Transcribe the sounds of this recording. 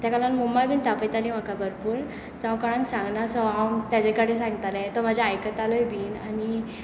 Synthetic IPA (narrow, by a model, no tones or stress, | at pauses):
t̪jakalanmumbajbiːnt̪apəjt̪alim̤akabəɾpuːɾ | sãkəɽ̃ãnsãŋɡnasɔɦawnt̪jad͡ʑekaɽes̬ãŋɡt̪alat̪ɔm̤ad͡ʑʱaːjkət̪alɔjbiːnani